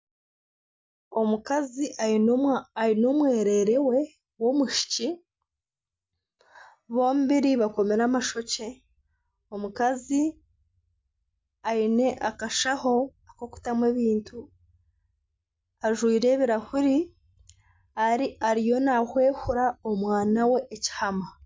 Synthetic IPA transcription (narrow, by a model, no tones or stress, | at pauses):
o̞mukaziʔainoainomwe̞ːɾe̞ːɾe̞we̞ | wo̞muʃi̥ci | βo̞ːmuβiɾiβako̞me̞ɾamaʃo̞ce̞ | o̞mukazi | aine̞ʔakaʃaho̞akoku̥tamwe̞βiːntʰu | aʒwiːɾe̞ːβiɾahuɾi | aɾiaɾijo̞nahwe̞ːhuɾaomwaːnawe̞ʔːci̥hama